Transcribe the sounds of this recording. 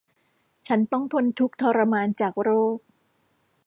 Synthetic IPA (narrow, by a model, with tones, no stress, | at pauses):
t͡ɕʰa˦˥nt̪ɔ˥˩ŋt̪ʰo˧nt̪ʰu˦˥k̚t̪ʰɔː˧ɾa˧maː˧nt͡ɕaː˨˩k̚ɾoː˥˩k̚